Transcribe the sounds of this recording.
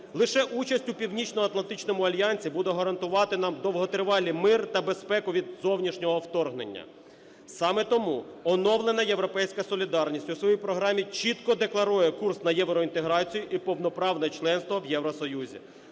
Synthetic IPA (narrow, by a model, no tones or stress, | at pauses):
lˠɪʃɛʔut͡ʃɐsʲtʲʊpʲiwnʲit͡ʃnɔɐt̪lˠɐnt̪ɪt͡ʃnɔmʊɐlʲjɑnʲsʲibud̪ɛɦɐɾɐnt̪ʊʋɑt̪ɪnɑmd̪ɔwɦɔt̪eɾʋɑlʲimɪrt̪ɐbe̞spɛkʊʋʲid̪zɔwnʲiʃnʲɔɦɔwt̪ɔrɦnḛnʲːɐ̰ | sɑmɛt̪ɔmuɔnɔwlˠenɐjeʋɾɔpɛjsʲkɐsɔlʲid̪ɑrnʲisʲtʲʊsʋɔjijpɾɔɦɾɑmʲit͡ʃit̪kɔd̪eklˠɐɾujɛkursnɐjɛʋɾɔint̪eɦɾɑt͡sʲijʊʔipɔwn̪ɔpɾɑwnɛt͡ʃlˠɛnst̪ʋɔʋjɛwɾɔsɔjuzʲḭ